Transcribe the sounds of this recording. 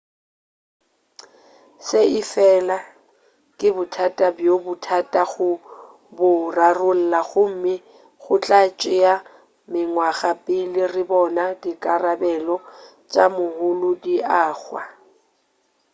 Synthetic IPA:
sɪɪfɛla | kʼɪbʊtʰatʼabjobʊtʰatʼaɣʊ | bʊrarʊl̩laɣʊm̩mɪ | ɣʊt͡ɬʼat͡ʃʼɪja | mɪŋwaɣapʼɪlɪrɪbɔnadikʼarabɛlɔ | t͡ʃʼa̰mʊhʊlʊdiaːχwa̰

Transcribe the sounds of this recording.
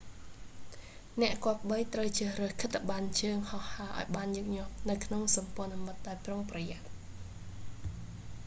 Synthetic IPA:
nɛ̆əʔkŏəp̚ɓəjt̪rəwt͡ɕəːhrəːhkʰɨt̪ːɓant͡ɕəːŋhɑhhaːʔa̰ɔjɓaːnjoːk̚ɲŏəp̚nɨwkʰnoŋsɑmpŏənamɨt̪̚ɗaɔjproŋprɑjat̪̚

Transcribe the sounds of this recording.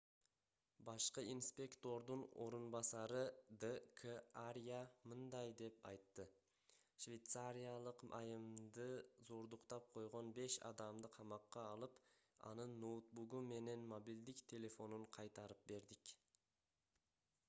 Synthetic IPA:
bɑʃqɯinspʲe̞kt̪o̞ɾd̪uno̞̰ɾunbɑsɑɾɯd̪əkʰəaɾʲjamɯnd̪ɑjd̪e̞pɑjt̪ːɯ | ʃvʲe̞jt̪saɾʲijalˠɯqʔɑ̰jɯmd̪ɯzo̞ɾd̪uqt̪ɑp̚qʰo̞jʁo̞nbe̞ʃɑ̰d̪ɑmd̪ɯqʰɑmɑqːɑːlˠɯpɑ̰nɯnːot̪̚buɡume̞ne̞nmobild̪ikt̪ʰʲe̞lʲe̞fo̞nuɴqʰɑjt̪ɑɾɯp̚be̞ɾd̪ik

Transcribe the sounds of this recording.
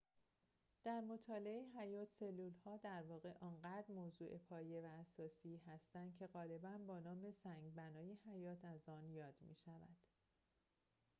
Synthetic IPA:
d̪̥æɾmo̞t̪ʰɒːleeeɦæjɒːt̪ʰse̞lːuːlhɒːd̪æɾvɒːɣe̞ʔɒːnɢæːd̪̥ɾmoːzuːʔe̞pʰɒːje̞væːsɒːsiːhæst̪ænd̪̥̚cʰe̞ɣɒːle̞bænbɒːnɒːme̞sæŋɟbænɒːje̞hæjɒːt̪ʰæzɒːnjɒːd̪̥mḭːʃævæ̰d̪̥

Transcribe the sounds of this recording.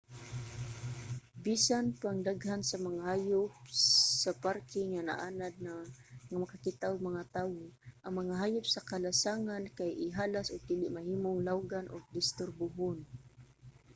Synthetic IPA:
bisanpaŋd̪aɡhansamaŋahaːjʊpsaparkɪŋana̰ʔanad̪̚ | ŋamakakɪt̪aʊɡ̚maŋat̪aːwoʔaŋmaŋaɦaːjʊp̚sakalasaŋankajɪɦaːlasʊɡ̚d̪iːlɪʔmahiːmʊŋlawɡanʔʊɡ̚d̪ɪst̪ʊrbʊɦʊn

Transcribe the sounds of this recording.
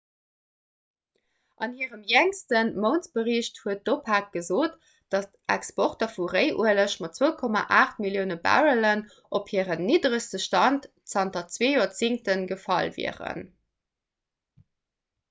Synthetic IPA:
ʔɑnhiːəʁəmjæŋstənmoʊnt͡sb̥əʁiɕthuət̚d̥opʰaːk̚ɡ̥əzoːt | d̥ɑstæ̰kspoχtɐfuʁəɪʔuələʃmɑt̚t͡svəʊkʰɔma̰ʔaːχt̚miljəʊnəbæ̰ʁələn | ʔophiəʁənːiːdʁəstəʃtɑnt | t͡sɑntɐt͡sveːjoːɐt͡siŋtənɡəfɑlvḭəʁə̰n

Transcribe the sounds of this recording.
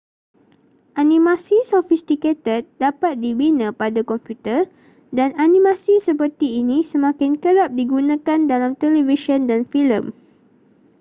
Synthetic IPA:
ʔanĩmãsisɔfist̪iket̪ət̪̚dapat̪̚dibinãpadakɔmpjut̪ə | dananĩmãsisəpət̪iːnĩsəmãkɪnkəɾap̚diɡunãkandalamt̪ɛlɛviʃə̃ndanfilə̃m

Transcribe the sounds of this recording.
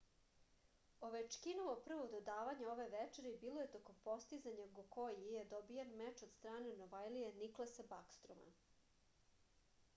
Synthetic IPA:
oʋet͡ʃkinoʋopr̩ʋod̪od̪aːʋaɲao̞ʋeʋɛt͡ʃeɾibiːlojet̪okompo̞st̪izaɲaɡoko̞jijed̪obijanmɛt͡ʃod̪st̪ɾaːnenoʋajlieniklˠasebakst̪ɾoma̰

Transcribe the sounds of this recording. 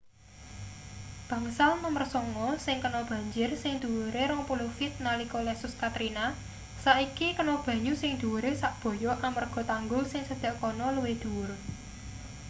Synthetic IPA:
b̥ä̤ŋsalməmərsɔŋɔsɪŋkənɔb̥ä̤ɲd͡ʒɪrsɪŋd̪̥ṳwuɾeɾɔŋpulofɪt̪̚nalikɔlɛsʊskat̪ɾina | saikikənɔb̥ä̤ɲusɪŋd̪̥ṳwuɾesaʔb̥ɔ̤jɔʔamərɡ̥ɔ̤t̪aŋɡʊlsɪŋsəd̪̥a̤ʔkɔnɔluwed̪̥ṳwuɾ

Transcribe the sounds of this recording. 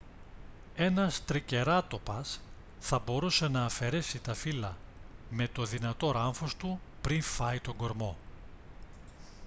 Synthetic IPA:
e̞nɐst̪ɾice̞ɾɐt̪o̞pɐs | θɐbo̞ɾuse̞nɐːfe̞ɾe̞sit̪ɐfilɐme̞t̪o̞ðinɐt̪o̞ɾɐɱfo̞st̪upɾinfɐit̪o̞ŋɡo̞ɾmo̞

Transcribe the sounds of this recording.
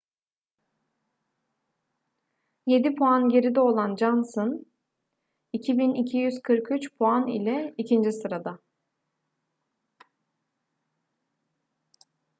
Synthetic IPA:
je̞d̪ipʰoanɟe̞ɾid̪ɛo̞lˠand͡ʒansɯn | icʰibinicʰijyz̥kʰɯɾkʰyt͡ʃpʰoanḭlʲɛicʰind͡ʒisɯɾad̪a

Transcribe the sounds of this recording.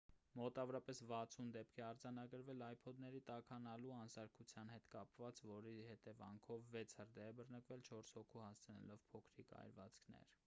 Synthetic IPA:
mɔt̪ɑvɔɾɑpɛsvɑt͡sʰund̪ɛpkʰɛɑɾd͡zɑnɑɡəɾvɛlɑjpʰɔd̪nɛɾit̪ɑkʰɑnɑluɑnsɑɾkʰut͡sʰjɑn̪hɛt̪kɑpvɑt͡svɔɾihɛt̪ɛvɑ̰ŋkʰɔvːɛt͡sʰhəɾd̪ɛːbərnəkvɛlt͡ʃʰɔɾshɔkʰuhɑst͡sʰənɛ̰lɔvpʰɔkʰɾikɑ̰jɾvɑ̰t͡skʰnɛ̰ɾ

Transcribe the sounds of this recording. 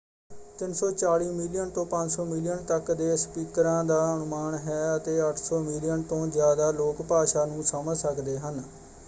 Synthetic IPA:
t̪ɪnsɔːt͡ʃaːɽiːmɪlɪjənt̪õːpəɲd͡ʒsɔːmɪlɪjənt̪əkd̪eːspiːkɾãːd̪aːənʊmaːnɦɛːət̪eːəʈʰsɔːmɪlɪjənt̪õːzjaːd̪aːloːkpaːʃaːnũːsəməlsəkd̪eːɦən

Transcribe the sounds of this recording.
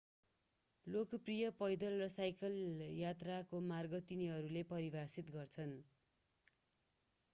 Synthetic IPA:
lokprijʌpʌjd̪ʌlrʌsajkʌljat̪rakomarɡʌt̪iniɦʌɾulepʌɾibasit̪ɡʌrt͡sʰʌn

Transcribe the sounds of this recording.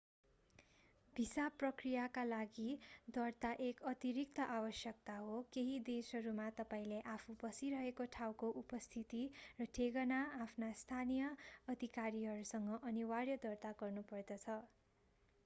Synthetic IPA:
bʱisaprʌkrijakalaɡid̪ʌrt̪aʔekʌt̪iɾik̚t̪ʌʔabʌsjʌk̚t̪aɦokeɦid̪esʌɾumat̪ʌpaĩleʔapʰubʌsiɾʌɦekoʈʰawkoʔupʌst̪ʰit̪irʌʈʰeɡʌnaːpʰnast̪ʰanijʌʌd̪ʱikaɾiɦʌɾusʌŋɡʌʔʌniwarjʌd̪ʌrt̪aɡʌrnupʌrd̪ʌt͡sʰʌ

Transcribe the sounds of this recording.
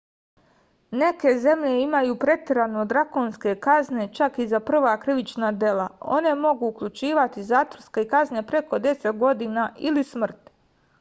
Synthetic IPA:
ne̞ke̞ze̞mʎe̞imajuːpɾe̞t̪eɾanoːd̪ɾakonske̞kazne̞t͡ʃakizapr̩ʋaːkɾiʋit͡ʃnad̪e̞lao̞̰ne̞mo̞ɡuːkʎut͡ʃiːʋat̪izaːt̪orskeikazne̞pɾe̞ko̞d̪e̞set̪ɡo̞d̪iːnaʔilismr̩t̪

